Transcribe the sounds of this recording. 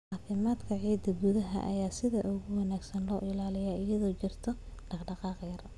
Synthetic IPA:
ʕaːfɪmaːd̪kʰɐʕiːd̪ɐɡuðɐɦɐ̰ʔɐ̰jaːsɪðɐʔʊɣʊwɑnaːɡsɐnlɔːʔɪlaːlɪjaːʔɪjɐðɔːt͡ʃɪrt̪ʰɔɖ̥ɑχɖɑqɑːqjɐr

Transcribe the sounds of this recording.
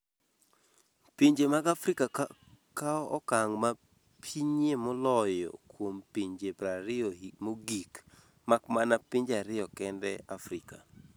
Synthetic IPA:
piɲd͡ʒemaɡafɾikakaɔɔkaŋma | pʰiɲemɔlɔjɔ̰kwompiɲd͡ʒepɾaɾɪɔmoɡik | makmanapiɲd͡ʒaɾɪjɔkɛndɛafɾɪka̰

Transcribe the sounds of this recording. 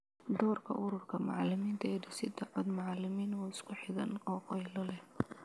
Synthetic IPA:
d̪ɔːrkʰɐ̰ʔʊɾʊrkʰɐmɑʕɑlɪmiːnt̪ʰɐɛːɖɪsɪd̪ɐʕɔd̪mɑʕɑlɪmiːnɔːɪskʰʊħɪðɐnqɔːqɛjlɐlɛh

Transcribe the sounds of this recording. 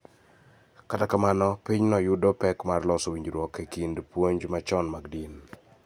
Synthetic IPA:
katakamanɔpiɲnɔjʊdɔpɛkmarlɔsowiɲd͡ʒɾwɔkːekindpwoɲd͡ʒmat͡ʃɔnmaɡdin

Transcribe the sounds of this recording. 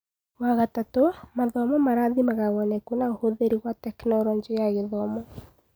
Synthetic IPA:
waɣatatomaðɔmɔmaɾaðimaɣaɣɔnɛkunaohoðeɾiɣwatɛknɔɾɔɲd͡ʒejaɣeðɔmɔ

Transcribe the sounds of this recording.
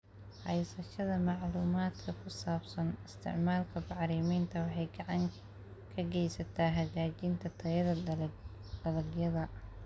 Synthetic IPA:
ħɑjsɐʃɐðɐmɑʕluːmaːd̪kʰɐkʰʊsaːbsɐnɪst̪ʰɪ̰ʕmaːlkʰɐbɑʕɾiːmɛjnt̪ʰɐwɑħɑjɡɑʕɑŋ | kʰɐɡɛjsɐt̪ʰaːɦɐd͡ʒaːt͡ʃint̪ʰɐt̪ʰɐjɐðɐ | d̪̥ɐlɐɡjɐðɐ

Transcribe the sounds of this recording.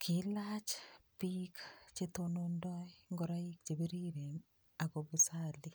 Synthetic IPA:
kʰilat͡ʃpikt͡ʃetonondɔjŋɡɔɾaik̚t͡ʃebiɾiɾeŋ | akobusali

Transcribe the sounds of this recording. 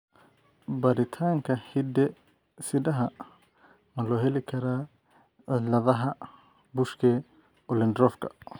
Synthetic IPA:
bɐɾɪt̪ʰaːŋkʰɐhid̪ɛ | sɪdɐɦɐ | mɐlɔːɦɛlɪkʰɐɾaː | ɪlɐðɐɦɐ | bʊʃkʰɛː | ɔlɛnd̪ɾɔfkʰɐ̥̰

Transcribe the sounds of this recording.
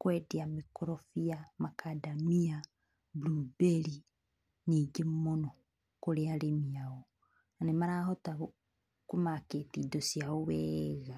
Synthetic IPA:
kwediamikoɾofijamakʰadamia | blubeli | niɡemono | koɾealemiao | anemaɾahota | kumaketiːdosiaowɛɣa

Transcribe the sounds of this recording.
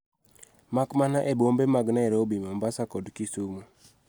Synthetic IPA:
makmanaʔebombemaɡnaɛɾobimambasakɔdkisumu

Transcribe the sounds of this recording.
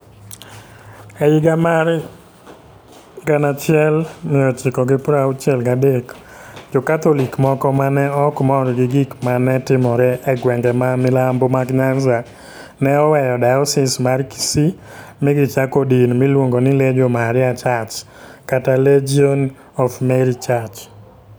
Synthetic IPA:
ɛjɪɡamaɾ | ɡanat͡ʃɪɛlmɪɔt͡ʃɪkɔɡɪpɾaut͡ʃɛlɡadek | d͡ʒokat̪olikmɔkɔmanɛɔkmɔɾɡɪɡɪkmanɛtɪmɔɾɛʔɛɡwɛŋɡɛmamɪlambomaɡɲanza | nɛɔwɛjɔdajɔsɪsmarki̥si | mɪɡɪt͡ʃakɔdinmɪlwoŋɡonɪled͡ʒomaɾɪat͡ʃat͡ʃ | kataled͡ʒiɔn | ɔfmɛɾit͡ʃat͡ʃ

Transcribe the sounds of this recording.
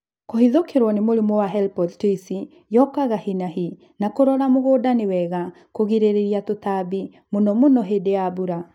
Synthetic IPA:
kohiðokeɾwɔnemoɾemɔwaɦɛlipɔdtisi | jɔkaɣahinahi | nakoɾɔɾamoɣodanewɛɣa | koɣiɾeɾeɾiatotabi | monɔmonɔɦedeabuɾa

